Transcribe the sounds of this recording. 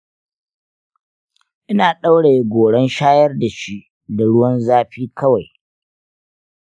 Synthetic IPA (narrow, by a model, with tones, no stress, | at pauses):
ʔɪ˦naː˨ɗa˦wɽe˨je˦ɡʷoː˨ɽɛ˦nʃaː˦jɐ˦rda˨ʃi˦ʔ | da˨ɽʊ˦wɐ˦nzaː˦ɸiː˦kʰɐ˦wa˨j